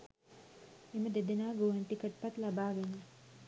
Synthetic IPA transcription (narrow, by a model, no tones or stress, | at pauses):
eməd̪ed̪enaːɡoːɦenʈikəʈ̚pɐt̪lɐbaːɡene